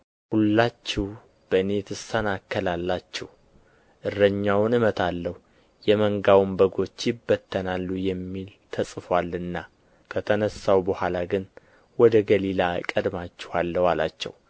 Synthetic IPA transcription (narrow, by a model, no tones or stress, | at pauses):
hulːat͡ʃːɛw | b̥əɨne̞t̪ʰɨsənakʰːəlalːat͡ʃːɛh | ʔɨrːəɲːawʊnɨmət̪ʰalːəh | jɛməŋɡawmbəɡo̞t͡ʃːjɪbːət̪ʰːənalːujɛmːilt̪ʰəsʼɨfwalɨnːa | kʰət̪ʰənəsawbəhʷalaɡɨn | wɔd̪əɡəlilakʼəd̪mat͡ʃːɛhalːəwala̰t͡ʃːɛ̰w